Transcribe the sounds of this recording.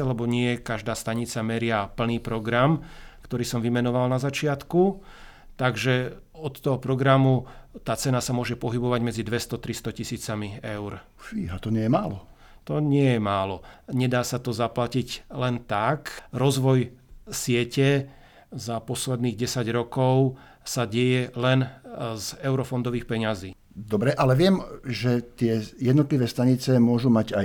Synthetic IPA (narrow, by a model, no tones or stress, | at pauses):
lɛbɔɲɪɛkaʒd̪aːst̪aɲit͡samɛɾɪapl̩niːpɾɔɡɾamkt̪ɔɾiːsɔmʋimɛnɔʋalnazat͡ʃɪat̪ku | t̪aɡʒɛ | ɔt̪ːɔɦɔpɾɔɡɾamut̪aːt͡sɛnasamʊɔʒɛpɔɦibɔʋaɟmɛd͡zid̪ʋɛst̪ɔt̪ɾist̪ɔcisiːt͡samiɛʊɾ | fiːɦat̪ɔɲɪɛjɛmaːlɔ | t̪ɔɲɪɛjɛmaːlɔɲɛd̪aːsat̪ɔzaplaciɟlɛnt̪akɾɔzʋɔjsɪɛcɛ | zapɔslɛd̪niːɣɟɛsaɟɾɔkɔʊ | saɟɛjɛlɛnzɛʊɾɔfɔnd̪ɔʋiːxpɛɲaziː | d̪ɔbɾɛʔalɛʋɪɛmʒɛt̪ɪɛjɛd̪nɔt̪liʋɛːst̪aɲit͡sɛmʊɔʒumaɟa